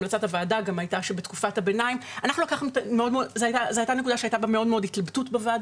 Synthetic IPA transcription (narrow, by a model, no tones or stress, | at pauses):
mlat͡sathavaːdaɡamajtaʃebetkufathabe̞najimanaχnulakaχemtameo̞dmeodzeajtazeajtane̞kud̪aʃeajtabameo̞dmeo̞d̪it̪labtutbevaad